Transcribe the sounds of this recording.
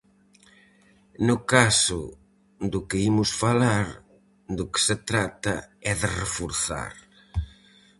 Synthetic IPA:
nʊkasʊ | d̪ʊkɪimʊsfalaɾ | d̪ʊkɪ̥set̪ɾat̪ɐɛðɪrefoɾθa̰ɾ

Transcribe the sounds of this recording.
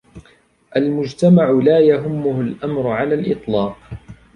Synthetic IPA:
ʔalmʊd͡ʒt̪amaʕʊlaːjaɦʊmːʊhʊlʔamɾʊʕalaːlʔɨt̪ˤlɑːq

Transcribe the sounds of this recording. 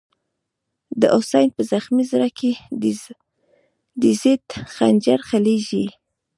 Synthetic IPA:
d̪əʔosɑjnpəzaxmizɾake | d̪əzet̪xa̰nd͡ʒaɾxaleʒi

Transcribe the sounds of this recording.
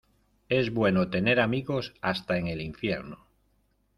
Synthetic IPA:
e̞zβwe̞not̪e̞ne̞ɾamiɣo̞sast̪aeŋe̞liɱfje̞̰ɾno

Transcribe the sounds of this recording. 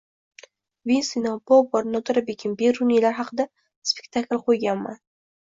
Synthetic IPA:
vinsinobɒpːɒɾnɒt̪ʊɾabekʲʰɪmbeɾunilaɾɦɑqʰɨd̪a | spekʲt̪ʰaklˠqʰojɡʲanma̰n

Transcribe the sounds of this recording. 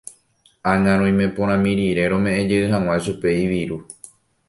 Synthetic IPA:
ãŋãɾ̃õj̃mẽ̞põ̞ɾ̃ãmĩɾiɾe̞ɾ̃õ̞mẽ̞ʔẽd͡ʒeɨɦãw̃aʃupe̞iʋiɾu

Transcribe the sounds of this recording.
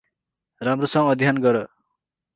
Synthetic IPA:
ramrosʌ̃ŋʌd̪ʱijanɡʌɾʌ

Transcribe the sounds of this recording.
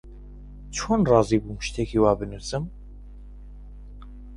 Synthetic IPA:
t͡ʃʰoːnrɑːziːbuːmɨʃt̪ʰɛkʰiwaːbɨnusɨm

